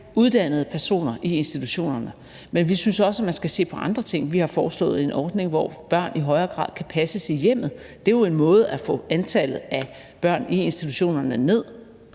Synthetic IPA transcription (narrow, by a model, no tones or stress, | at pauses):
uðˠd̥æn̰ð̞̩ˠpʰæɐso̝̰ːnɐʔie̝nsd̥it͡sʰuɕo̝̰ːnɐnə | menʋisynsɒ̽səæmænsɡ̥æse̝̰ːpʰɒ̽ʔɑ̈nd̥ʁɐt͡sʰe̝ŋ̰ʋihɑ̈fɒːslɔ̰̽ːð̞̩ˠe̝nʔɒːd̥ne̝ŋʋɒb̥ɶɐ̰niɦɒ̽ɪɐːɡ̥ʁɑ̰̈ːð̰ˠkʰæpʰæsəsijem̰ð̞̩ˠd̥e̝jo̝e̝nmɔ̽ːð̞̩ˠæfɔ̰̽ːænt͡sʰælð̩ˠæ | b̥ɶɐ̰nie̝nsd̥it͡sʰuɕo̝̰ːnɐnəne̝ð̰ˠ